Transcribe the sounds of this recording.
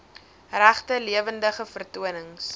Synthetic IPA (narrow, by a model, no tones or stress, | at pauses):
ræχtəliəvəndəχəfərtuənəŋs